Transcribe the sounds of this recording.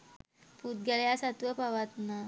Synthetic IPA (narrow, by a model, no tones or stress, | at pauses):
put̪̚ɡʲaljasat̪ʋəpaʋat̪na